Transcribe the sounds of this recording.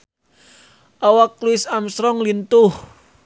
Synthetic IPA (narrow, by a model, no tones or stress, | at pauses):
ʔawak̚luɪsamsɾɔŋlint̪ʊh